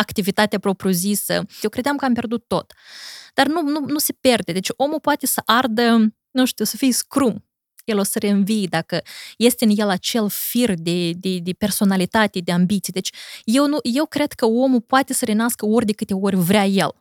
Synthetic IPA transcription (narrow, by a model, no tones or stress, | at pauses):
akt̪ivit̪at̪eapɾo̞pɾʲuzisə̰jewkɾe̞d̪eamkəampʲe̞rd̪ut̪ːo̞̰t̪d̪̥arnununuse̞pʲe̞rd̪ed̪e̞t͡ʃʲo̞mupoat̪e̞səʔard̪ə | nuʃt̪iwsəfijskɾum | jelosəɾe̞ɨnvijd̪akəje̞st̪ʲeɨnje̞lat͡ʃe̞lfird̪e̞d̪ed̪e̞pe̞rso̞nalit̪at̪e̞d̪eambit̪sijed̪e̞t͡ʃʲje̞wnuje̞wkɾe̞d̪̥kəo̞mupoat̪e̞səɾenaskəo̞rʲd̪e̞kɨt̪e̞o̞rʲvɾʲaje̞̰l